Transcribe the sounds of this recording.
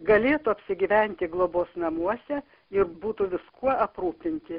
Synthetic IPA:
ɡɐlʲeːt̪ʊɐpʲsʲɪɡʲiːʋʲɛnʲt̪ʲɪɡlˠoːboːsnɐmuɔsʲɛ | ɪɾbuːt̪ʊʋʲɪskuɔɐpɾuːpʲɪnʲt̪ʲɪ

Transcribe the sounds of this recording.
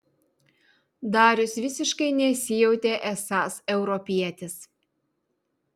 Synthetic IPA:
d̪ɑːɾʲʊsʋʲɪsʲɪʃkɐɪnʲɛsʲɪjɛʊt̪ʲeːʔɛsɑːsɛʊɾɔpʲiɛt̪ʲɪs

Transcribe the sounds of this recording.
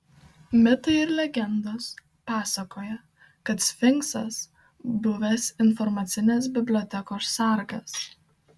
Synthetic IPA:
mʲɪt̪ɐɪɪɾlʲɛɡʲɛnd̪oːs | pɑːsɐkoːjɛ | kɐt̪sʲfʲɪŋksɐs | bʊʋʲɛsɪnfɔɾmɐt̪sʲɪnʲeːs̬bʲɪbʲlʲɔːt̪ʲɛkoːsːɐˑɾɡɐs

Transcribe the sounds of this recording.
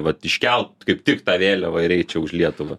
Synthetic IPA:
ʋɐt̪ɪʃʲkʲɛlˠt̪kɐɪpt̪ʲɪkt̪ɑːʋʲeːlʲɛʋɐɪɾʲɛɪt̪̚t͡ʃʲɛʊʃlʲiɛt̪ʊʋɐ

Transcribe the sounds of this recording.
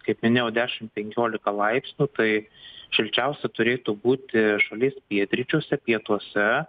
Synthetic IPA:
kɐɪpmʲɪnʲeːjɛʊd̪ʲæːʃʲɪmpʲɛŋʲkʲoːlʲɪkɐlˠɐɪpʲsʲnʲuːt̪ɐɪʃʲɪlʲt͡ʃʲɛʊsʲɛt̪ʊɾʲeːt̪uːbuːt̪ʲɪʃɐlʲiːspʲiɛt̪ʲɾʲɪt͡ʃʲoːsʲɛpʲiɛt̪uɔsʲɛ

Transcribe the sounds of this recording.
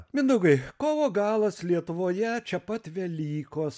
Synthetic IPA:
mʲɪnd̪ʊɡɐɪkoːʋoːɡɑːlˠɐslʲiɛt̪ʊʋoːjɛt͡ʃʲɛpɐt̪ʋʲɛlʲiːkoːs

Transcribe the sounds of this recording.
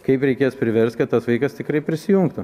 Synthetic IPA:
kɐɪpɾʲɛɪkʲeːspʲɾʲɪʋʲɛrst̪kɐt̪t̪ɐsʋɐɪkɐst̪ʲɪkɾɐɪpʲɾʲɪsʲɪjʊŋkt̪ʊ

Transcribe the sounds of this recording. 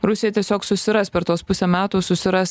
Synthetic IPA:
ɾʊsʲɪjɛt̪ʲiɛsʲoːksʊsʲɪɾɐsʲpʲɛɾt̪oːspʊsʲemʲæːt̪uːsʊsʲɪɾɐs

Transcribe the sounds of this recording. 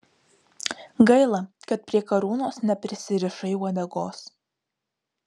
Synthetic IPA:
ɡɐɪlˠɐkɐt̪̚pʲɾʲiɛkɐɾuːnoːsnʲɛpʲɾʲɪsʲɪɾʲɪʃɐɪɔd̪ʲɛɡoːs

